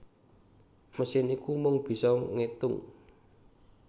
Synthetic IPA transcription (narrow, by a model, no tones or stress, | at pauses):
məsɪnikumʊŋb̥i̤sɔŋet̪ʊŋ